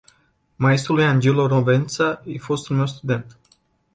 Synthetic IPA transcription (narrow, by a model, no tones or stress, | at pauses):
maest̪ɾulujand͡ʒeloɾovent̪saifo̞st̪unme̞wst̪ud̪e̞nt̪